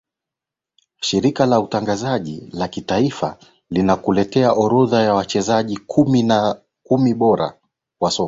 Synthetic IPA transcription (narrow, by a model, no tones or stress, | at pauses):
ʃiɾikalautaŋɡazaʄḭlakitaifa | linakulɛtɛaʔɔɾɔðajawat͡ʃɛzaʄikʰumina | kumiɓɔɾa̰ | kwasɔka